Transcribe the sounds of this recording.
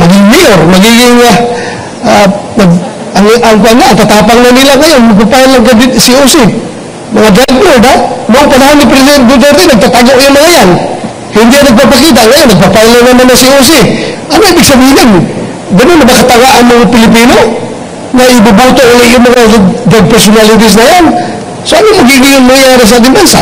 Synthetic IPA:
mɐɡɪŋmɪoɾmɐɡiɡɪŋːa | anaɡ | aŋʔaŋpanaːŋt̪at̪aːpaŋnanilaŋajonmaɡ̚papajalːaŋkad̪ɪsiosi | mɐŋad͡ʒad̪moɾd̪anoaŋpanaɦonːɪp̬ɾɛsid̪ɛnt̪̚d̪od͡ʒoɾd̪inɐɡ̚t̪at̪aɡoʔjamaŋajan | hɪnd̪ianɐɡ̚papakit̪̬aŋajonɐɡ̚papajlanamanasios̬ɪʔɐnoibɪɡsɐbiːɦɪn | ɡɐnonɐbakat̪awaʔɐŋmɐŋapɪlɪp̬iːno | ŋaʔɪbabawt̪oʔulɪʔjʊŋmɐŋad͡ʒad̪̚pɛɾsʊnalɪt̪̬ɪs̬najan | soʔanomɐɡiɡɪŋʊŋmaŋjaːɾɪs̬aad̪ɪnbansa̰

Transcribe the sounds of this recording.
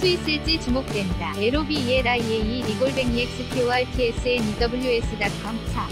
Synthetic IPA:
sʰuis͈ɯɭt͡ɕ͈it͡ɕumok̚t͈we̞nidaeɾobieɾaieiɾiɡoɭbe̞ŋɲek̚s͈ɯkʰiwaetʰies͈ʰɯenidʌbɯʎjues͈ʰɯdat̚k͈ʌmt͡ɕʰa

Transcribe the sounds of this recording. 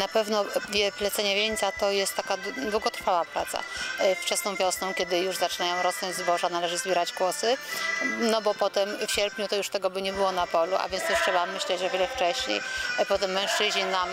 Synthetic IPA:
napɛvnɔd̪ʲjɛplɛt̪sɛɲavʲjeɲt̪sat̪ɔjɛst̪ːakad̪wuɡɔt̪ɾfawapɾat̪sa̰ft͡ʂɛsnɔ̃w̃vʲjɔsnɔ̃w̃kʲɛd̪ɘjuʐzat͡ʂɘnajɔ̃w̃ɾɔsnɔɲd͡ʑzbɔʐanalɛʐɘzbʲɛɾad͡ʑɡwɔsɘ | nɔbɔpɔt̪ɛmfɕɛɾpʲɲut̪ɔjuʂt̪ɛɡɔbɘɲɛbɘwɔnapɔluʔa̰vʲjɛnsuʂtʂɛbamːɘɕlɛt͡ɕʐɔvʲɛlɛft͡ʂɛɕɲḛjpɔt̪ɛmːɛ̃w̃ʂt͡ʂɘʑɲinam

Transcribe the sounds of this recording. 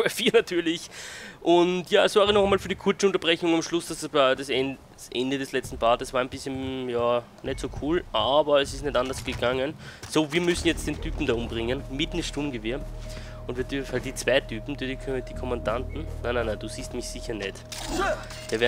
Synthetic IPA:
ɛfiːɐnatʰyːɐlɪçʔʊntjaːɛsv̥aːʁənɔχɛmaːlfyɐɾikʰʊɐt͡səʊ̃nt̬ɐb̥ʁɛçʊŋamʃlʊsd̥asdad̥asɛ | sʔɛndədɛslɛt͡stn̩baːdəsvaɐɛnbɪsçənjaː | nɛtsoːkʰuːlʔaːbɐɛsɪstnɛtʔandɐsɡ̥əɡaŋənsoːviːɐmʏsn̩jɛt͡st̚d̥eːntʰyːpm̩daʊmbʁɪŋənmɪtnɪʃtumɡəvɪːɐ | ʊntviːɐdyfn̩halt̚d̥iːt͡sv̥aɪtʰyːpm̩dydid̥iːkʰɔmandantn̩nananand̥uːsiːstmɪçsɪçɐnɛt | v̥iːɐvɛɐ

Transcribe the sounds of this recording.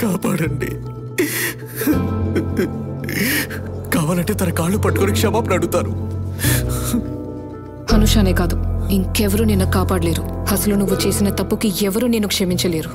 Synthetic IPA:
kaːpaːɽɐɳɖḭ | kaːʋaːlɐɳʈe̞ːt̪ɐnɐkaːɭːupɐʈːu̥konikʂɛmaːpnɐɽut̪aːnu | hɐnuʂaːne̞ːɡaːd̪uiŋkeʋɐɾuninːɐkaːpaːɽɐle̞ːɾuɐsɐlunuʋːut͡ʃe̞ːsinɐt̪ɐpːukiɛʋɐɾuneːnukʂɐmiɲt͡ʃɐle̞ːɾu

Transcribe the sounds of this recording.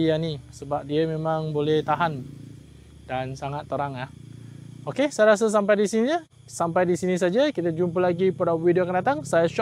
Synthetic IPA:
ianisəbap̚diəmẽmãŋbolɛht̪aɦan | dansaŋat̪ːəɾaŋlah | okesajəɾas̬əs̬ampajdisiniɲə | sampajdisinĩs̬ad͡ʒakit̪ad͡ʒumpəlaɡipadapwidiokandat̪aŋsajəʃ

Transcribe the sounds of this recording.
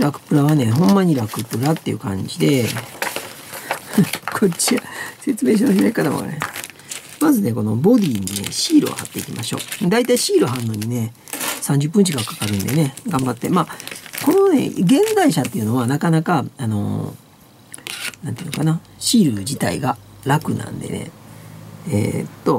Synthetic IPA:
ɾakɯ̥pɯ̟ɾaβane̞ɦõ̞mːaɲ̟iɾakɯ̟pɯ̟ɾat̪ːe̞iɯ̟̰kãɲ̟d͡ʑid̪e̞ | kʰo̞t͡ɕiase̞t͡sɨme̞ːɕ̬inoçinaikːat̪a̰mo̰ka̰ɾe | mazɨne̞ko̞no̞̰bo̞d̪ʲiːɲ̟ine̞̰ɕiːɾɯ̰o̰hat̪ːe̞ikʲimʔaɕo̞̰ːd̪ait̪aiɕiːɾɯɦãnːoɲ̟ine̞ | sãɲ̟d͡ʑɨp̬ːɯ̃ɲ̟t͡ɕikakḁkaɾɯ̟̃nd̪e̞ne̞ɡãmbat̪ːe̞maːko̞no̞ne̞̰ɡẽ̞ŋɡaiɕat̪ːe̞iɯ̟no̞βanakanakaano̞̰ | nãnt̪iɯnokana | ɕiːɾɯ̟d͡ʑit̪a̰ḭɡaɾakɯ̟nã̰nd̪e̞̰nḛ | ḛt̪ːo̞

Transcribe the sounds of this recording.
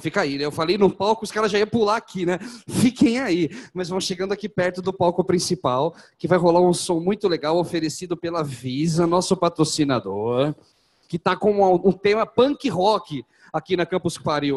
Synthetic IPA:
fikainɛewfalejnʊpawkʊʊskaɾɐʒaiɐpulaakinɛfikẽj̃aimɐzvɐ̃w̃ʃeɡɐ̃nd̪ʊakipɛɾt̪ʊd̪ʊpawkʊpɾĩsipawkɪvajɦolaɾũsõmũj̃t̪ʊleɡawofeɾesid̪ʊpelɐvizɐnɔsʊpat̪ɾosinad̪oɾ | kɪt̪akõɐũt̪ẽmɐpɐ̃kɪɦɔkɪ | akinɐkɐ̃pʊskwaɾi

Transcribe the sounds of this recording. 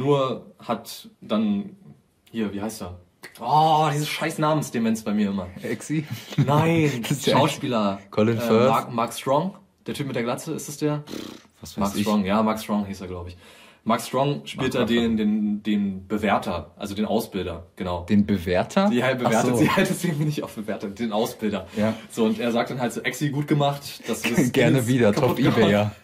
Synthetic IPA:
nuːɐhatd̥an | hiːɐviːhaɪstd̥aː | ʔɔːd̥iːzəsʃaɪsnaːmən̩sd̥emɛnsb̥aɪmiːɐʔɪmɐɛksinaɪnʃaʊʃpiːlɐkʰɔlɪnɛakmaɐkstʁ̥ɔŋ | d̥eːɐtʰyːp̚mɪtd̥eɐɡlat͡səɪ̰stasd̥eːɐ | maksʁ̥ɔŋjaːmaɐkstʁ̥ɔŋhiːsteːɐɡlaʊbəɪçmaɐkstʁ̥ɔŋʃpiːltd̥aːdeːndeːnd̥eːnb̥əvɛɐtʰɐʔalzodeːnʔaʊsb̥ɪldɐɡ̥ənaʊd̥eːnbəveːɐtʰɐdihabəvɛːɐ̥iːhtɛsveːɡm̩mɪnɪçtaʊfb̥əvɛːɐtɐd̥eːnʔaʊsb̥ɪldɐjaz̥oːʊntʔeːɐzaːk̚td̥anɦaltz̥oːʔɛksiɡuːt̚ɡ̥əmaχtd̥asɪɡ̥ɛɐnəviːdɐtkʰaɔʊp̚iɡəɛa

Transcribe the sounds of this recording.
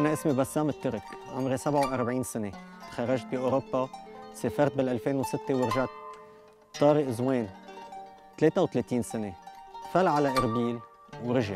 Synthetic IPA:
ʔanaʔɪsmibasːaːmɪt̪ːʊɾɪkʕʊ̰mɾesabʕawʔaɾˤbʕiːnsɪnet̪xarˤːaʒt̪̚biʔoːɾobːaseːfɑɾˤt̪̚bɪlʔalfeːnwsɪt̪ːewɪɾʒat̪̚ | t̪ˤːɑːɾiʔɪzweːn | t̪leːt̪awt̪leːt̪iːnsɪnefalʕalaʔɪɾbiːl | wɾɪʒaʕ

